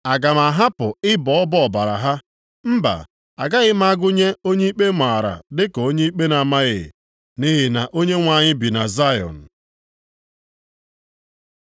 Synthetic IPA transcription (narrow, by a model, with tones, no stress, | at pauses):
a˨ɡa˨ma˨ɦa˦pʊ˨ɪ˦bɔ˨ɔ˦bɔ˦ɔ˨ba˨ɾa̰˨ɦa˦ | m̩˦ba̰˨ | a̰˨ɡa˦ɣɪ˦ma˦a˦ɡʊ˦ɲe˦o˦ɲe˦i˦k͡pe˦ma˨ɾa̰˨dɪ˦kɔ˨o˦ɲe˦i˦k͡pe˦na˨ma˦ɣɪ̰˨ | ni˦ɦɪ˦na˨ʔo˦ɲe˦ŋʷa˨ɲɪ˦bi˨na˨za˦jɔ̰˨n̩˨